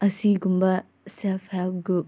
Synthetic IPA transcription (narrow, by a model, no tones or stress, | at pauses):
ɐsiɡumbɐ | selpʰhelp̚ɡɾup̚